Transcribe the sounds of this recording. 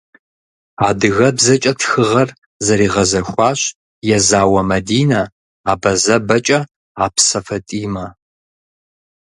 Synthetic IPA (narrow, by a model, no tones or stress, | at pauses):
aːdɨɣɐbzɐt͡ʃʼɐtxɨʁɐr | zɐɾiːʁɐzɐxʷɑːɕ | jɛzaːwɐmɐdiːnɐ | aːbɐzɐbɐt͡ʃʼɐ | aːpsɐfɐtʼiːmɐ